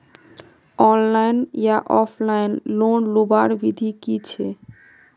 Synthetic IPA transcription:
ɔnlajnjaʔɔpʰlajnlonlubaɾbid̪ʱikit͡ɕʰe

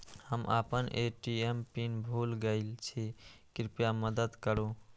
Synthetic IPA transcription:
həmʔə̰pənʔeʈiempinbʱulɡəɪlt͡ʃʰikɾipjaməd̪əd̪kəɾo

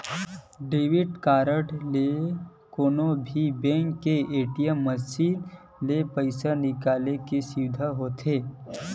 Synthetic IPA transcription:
ɖeːʋɪʈkaːɾəʈle | koːnobʱibẽːŋkːeeːʈijəmːəsiːn | lepəɪsanɪkaːlekesiʋd̪ʱaɦoːt̪ʰeː

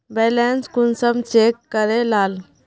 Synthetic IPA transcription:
bɛːlɛnskunsəmt͡ʃeːkːəɾelaːl

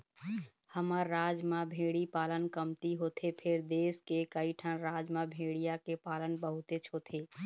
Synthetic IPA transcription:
həməɾːaːd͡ʒmãbʱeːɽipaːlənkəmt̪iɦoːt̪ʰepʰɪɾd̪eːskekəiʈʰənɾaːd͡ʒmãbʱeːɽijakepaːlənbəɦʊt̪et͡ʃʰoːt̪ʰeː

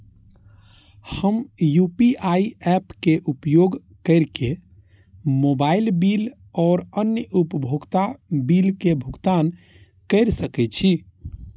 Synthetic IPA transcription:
həmjupiaiɛpkeʔupjoɡ | kəɾke | mobailbil | ɔːɾənjəupəbʱoɡt̪abilkebʱuɡt̪an | kəɪɾsəkɛt͡ʃʰi

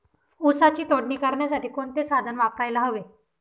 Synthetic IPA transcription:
usat͡ɕiːt̪oɽɳiːkəɾɳjasaʈiːkoɳt̪esad̪ʱənʋapɾajlaɦəʋe

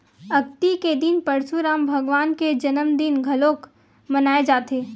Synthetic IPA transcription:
ɐkt̪iked̪ɪnpɐɾsuɾaːmbʱɐɡʋaːnked͡ʒɐnəmd̪inɡʱɐloːk | mɐnaːed͡ʒaːt̪eː

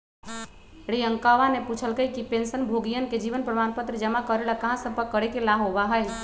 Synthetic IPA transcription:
ɽiəŋkaʋaneput͡ʃʰəlkəjkipensənbʱoɡijənked͡ʒiʋənpɾəmanpət̪ɾəd͡ʒəmakəɾelakəɦãsəb̚pəkːəɾekelaɦobaɦəj

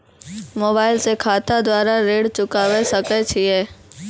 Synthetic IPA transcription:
moːbaːɪlsekʰaːt̪ad̪waːɾaɾeːɽt͡ʃʊkaːwesɐkɛt͡ʃʰiɛː

